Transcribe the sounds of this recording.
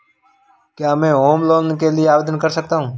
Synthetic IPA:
kjaːmẽːɦoːmloːnkeːlɪeaːʋeːd̪ənkəɾsək̚t̪aːɦũː

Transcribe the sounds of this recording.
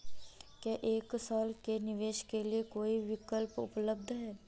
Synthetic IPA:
kjaːʔeːksaːlkenɪʋeːʃkeliekoːiʋɪkəlpʊ̰pləb̚d̪ʱɦɛː

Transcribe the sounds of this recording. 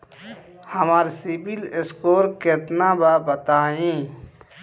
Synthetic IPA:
həmaːɾsibileskoːɾkeːt̪nabaːbət̪aːĩː

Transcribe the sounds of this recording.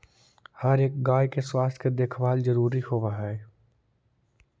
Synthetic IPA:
həɾeːk̚ɡaːjkeswaːst̪ʰked̪eːkʰʋaːlzɐɾuːɾihoːʋaɦɛː

